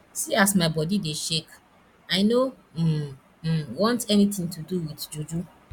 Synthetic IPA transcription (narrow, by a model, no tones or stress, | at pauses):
siasmaɪbɔdideʃek | aɪno | wɔ̃ntɛnitĩŋtuduwidd͡ʒud͡ʒu